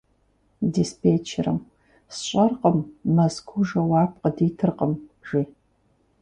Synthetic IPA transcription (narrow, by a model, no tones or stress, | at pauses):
dispʰeːt͡ʃʰɪ̰rɨ̰m | sɕʷʼɐrqəmːɐskʷʰuʒɐwaːp̚qədiːtʰɨrqəmʒiː